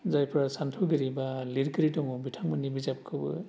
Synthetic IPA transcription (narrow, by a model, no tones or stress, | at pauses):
zajpʰɾasantʰuɡɯɾibaliɾkɯɾitɔŋɔbitʰaŋmɯnibizap̚kʰɯbɯ̰